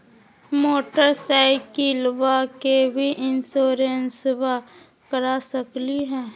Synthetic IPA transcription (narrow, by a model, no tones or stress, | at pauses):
moːʈəɾsaɪkilʋakebʱiʔɪnsoːɾensʋa | kəɾasəkliɦɛ̃ː